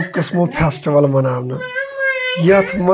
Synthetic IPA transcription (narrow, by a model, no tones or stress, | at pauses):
pkɐsmopʰesʈiʋɐlmɐnaːbnɨ | jɐt̪ʰmɐ